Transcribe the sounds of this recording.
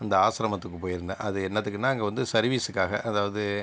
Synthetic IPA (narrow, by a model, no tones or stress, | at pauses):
ɐnd̪ɐaːsɾɐmɐt̪ːɯkːɯpoːjɪɾɯnd̪ɐʔɐðɯɛnːɐt̪̬ːɯkːɯnːaːɐŋɡɐʋɐnd̪ɯsɐɾʋiːsɯkːaːɣɐʔɐðaːʋɐðɯ